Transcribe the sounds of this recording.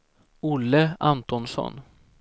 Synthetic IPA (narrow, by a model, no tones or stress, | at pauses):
ʊlːəant̪ɔnsɔ̰n